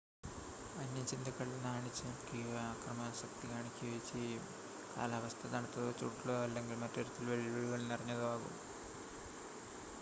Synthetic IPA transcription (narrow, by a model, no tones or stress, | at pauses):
ɐnːɐt͡ɕːind̪ɐkːɐɭlɐnaːɳit͡ɕːɐkiaːkrɐmaːsɐk̚t̪ikaːɳikʲːiʋet͡ɕːiu | ka̰ːlaːʋɐst̪ʰɐt̪ɐɳut̪ːɐðot͡ɕːṵːʈːiloːɐlːeŋɡilmɐtːeɾut̪ːilʋeɭiʋeɻuɣɐɭnirɐɲːɐðuaːɣṵm